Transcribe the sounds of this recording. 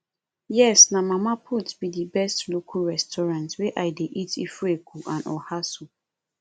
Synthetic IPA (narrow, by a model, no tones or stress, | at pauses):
jɛsnamamapʰutbidibɛstlokʰuɹɛstʰɔɹãntweʔajdeʔitḭfekuʔãnʔɔ̰hasu